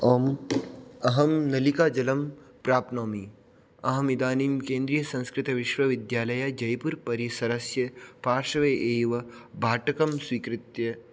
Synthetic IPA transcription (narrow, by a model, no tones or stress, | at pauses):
oːm | ɐɦɐmnɐlikaːd͡ʒɐlɐmpɾaːp̚noːmi | ɐɦɐmid̪aːnimkẽːnd̪ɾijɐsɐ̃nskɾɪt̪ɐʋɪʃʋɐʋɪd̪jaːlɐjad͡ʒɐjpuɾpɐɾjisɐɾɐsjɐpaːɾʃɐʋeʔeːʋɐbʱaːʈɐkɐmswiːkɾɪt̪jɐ